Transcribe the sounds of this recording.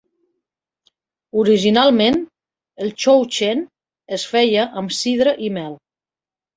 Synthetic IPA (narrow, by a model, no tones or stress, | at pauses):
uɾiʒinalˠmen | əlˠt͡ʃowt͡ʃen | əsfɛjəʔəmsið̞ɾəʔimɛlˠ